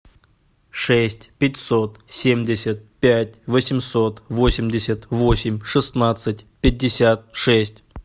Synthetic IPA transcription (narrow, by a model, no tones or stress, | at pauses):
ʂɛsʲtʲpʲɪtʲsot̪sʲemʲdʲɪsʲət̪̚pʲætʲvəsʲɪmso̞t̪vosʲɪmʲdʲɪsʲət̪vosʲɪmʲʂɨsnat̪sɨtʲpʲɪdʲːɪsʲat̪̚ʂɛsʲtʲ